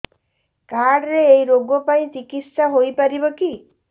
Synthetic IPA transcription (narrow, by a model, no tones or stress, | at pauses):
kaɽɾeejɾoɡɔpaĩt͡ʃikit̪saɦojpaɾibɔki